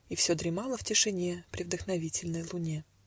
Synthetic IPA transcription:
ifsʲod̪ɾʲɪmalˠəftʲɪʂɨnʲepɾʲɪvd̪əxnɐvʲitʲɪlʲnəjlˠʊnʲe̞

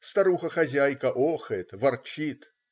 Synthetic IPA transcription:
st̪ɐɾuxɐxɐzʲajkɐʔɔxɨt̪vɐrt͡ɕit̪

